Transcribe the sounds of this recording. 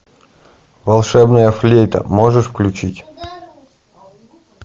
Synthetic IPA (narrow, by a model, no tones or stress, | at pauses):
vɐlˠʂɛbnəjəflʲejt̪ə̰moʐɨʂfklʲʉt͡ɕitʲ